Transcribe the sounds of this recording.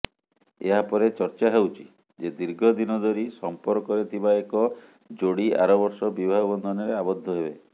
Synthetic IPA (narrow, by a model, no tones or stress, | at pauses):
eɦapɔɾet͡ʃɔɾt͡ʃaɦewt͡ʃʰi̥ | d͡ʒed̪iɾɡʱɔd̪inɔd̪ʱɔɾisɔmpɔɾkɔɾet̪ʰibaekɔ | d͡ʒoɽia̰ɾɔbɔɾsɔbibʱaɦɔbɔnd̪ʱɔnɔɾeabɔd̪ʱːɔɦebe